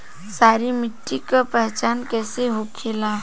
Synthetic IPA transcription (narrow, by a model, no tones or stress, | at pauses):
saːɾimɪʈːikapɛɦt͡ʃaːnkɛːseɦokʰelaː